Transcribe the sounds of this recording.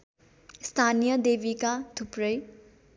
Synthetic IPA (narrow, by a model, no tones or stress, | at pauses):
st̪ʰanijʌd̪ebikat̪ʰupɾʌj